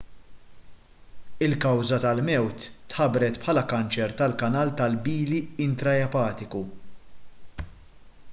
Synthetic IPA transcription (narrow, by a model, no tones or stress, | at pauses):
ɪlkɐwzɐt̪ɐlmɛwt̪ːħɐbɾɛt̪pħɐːlɐkɐnt͡ʃɛɾt̪ɐlkɐnɐːlt̪ɐlbiːliɪnt̪ɾɐɛpɐːt̪ɪku